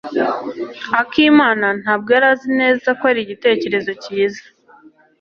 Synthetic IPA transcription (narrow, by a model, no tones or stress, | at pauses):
akiːmaːnan̥haːb̚ɡaːɾazine̞ːzakwaɾiɟite̞ːce̞ɾe̞zo̞ciːzḁ